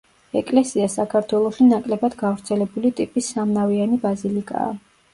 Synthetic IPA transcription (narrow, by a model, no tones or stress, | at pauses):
ɛkʼlɛsiasakʰaɾt̪ʰwɛlˠɔʃinakʼlɛbad̪ɡavɾt̪sʰɛlɛbulit̪ʼipʼisːamnavianibazilikʼa̰ː